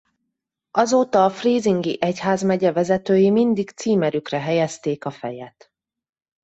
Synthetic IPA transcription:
ʔɒzoːt̪ɒːfriːziŋɡḭʔɛchaːzmɛɟɛvɛzɛt̪øːjimind̪ikt̪siːmɛɾykrɛɦɛjɛst̪eːkɒfɛ̰jɛt̪

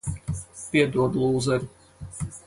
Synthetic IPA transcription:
piɛd̪uɔd̪lˠuːzɛɾʲi

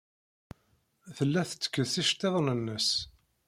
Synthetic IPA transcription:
θəlːæθə̥t͡sːə̥kːəðθiʃt̪ːeðˤnənːəs

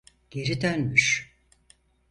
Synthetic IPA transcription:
ɟ̥e̞ɾid̪œnmyʃ

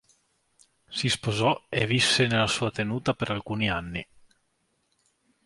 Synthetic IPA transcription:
sispozɔevisːenelasuːat̪enuːt̪apeɾalkuːnianːi

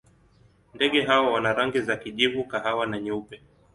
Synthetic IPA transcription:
ndɛɠɛɦawawanaɾaŋɡizakiʄivukaɦawanaɲupɛ

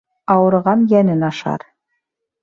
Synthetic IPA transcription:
ɑwɤ̆ɾʁɑnjænɘnɑʃɑ̰ɾ

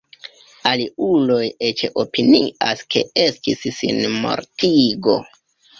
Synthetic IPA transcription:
aliulo̞jet͡ʃeʔo̞pinḭʔaskʰe̞̰e̞stissḭnmo̞̰ɾtʰiɡo̞̰

